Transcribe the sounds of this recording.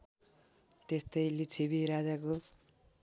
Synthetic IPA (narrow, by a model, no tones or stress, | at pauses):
t̪est̪ʌjlit͡sʰiβiɾad͡zako